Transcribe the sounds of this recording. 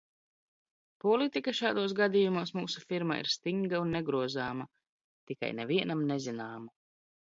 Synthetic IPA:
pɔlit̪ikaʃaːd̪oɔːs̬ɡad̪ijumuɔsmuːsufiɾma̰ḭɾst̪iŋɡaunːeɡɾuɔzaːma | t̪ika̰jnɛviɛnamnezinaːma

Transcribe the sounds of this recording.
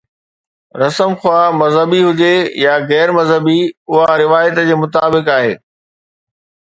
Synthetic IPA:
ɾɐsəmxwaːmɐzɦəbiɦʊd͡ʑejaɣɛːɾmɐzɦəbiʊɦaɾɪʋaːjət̪d͡ʑeːmʊt̪aːbɪkaːɦḛː

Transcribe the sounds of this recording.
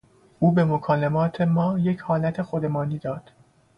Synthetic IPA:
ʔuːbe̞mokʰɒːlemɒːt̪ʰe̞mɒːje̞cʰhɒːlæt̪ʰe̞xo̞d̪e̞mɒːniːd̪ɒːd̪̥

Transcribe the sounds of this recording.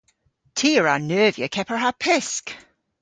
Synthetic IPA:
tʰiɹanɜːvjə̰kʰɛpəɹhəpʰɪsk

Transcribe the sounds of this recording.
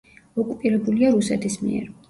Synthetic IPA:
ɔkʼupʼiɾɛbuliaɾusɛt̪ʰismḭɛ̰ɾ

